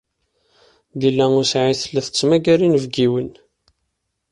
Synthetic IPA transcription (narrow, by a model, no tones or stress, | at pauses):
d̪ilːæʊɾsʕiθəlːæθə̥t͡sːmæɡæɾinəvɡiwən